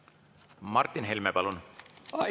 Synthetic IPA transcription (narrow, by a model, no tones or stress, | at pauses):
mɑrt̪ːinɦelmepɑlun